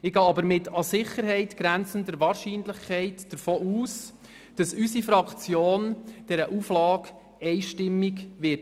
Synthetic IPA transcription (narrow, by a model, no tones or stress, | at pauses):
ɪɡ̥ɑːɑbəɾmɪtʰɑsɪχəɾɦɛɪtɡ̥ɾænt͡səndəɾʋɑːɾʃiːnləχkʰɛɪtd̥əɾfoːʔuːs | d̥ɑsysifɾɑkt͡sjoːnd̥ɛɾəʔuflɑːk | ɛɪʃtɪmːiɡʋɪt